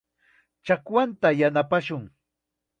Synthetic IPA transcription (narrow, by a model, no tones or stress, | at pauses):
t͡ʃakwant̪ajanapaʃʊŋ